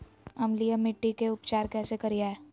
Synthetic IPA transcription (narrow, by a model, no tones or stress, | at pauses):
ɐmlijamɪʈːikeʊpt͡ʃaːɾkɛːsekɐɾiaɛ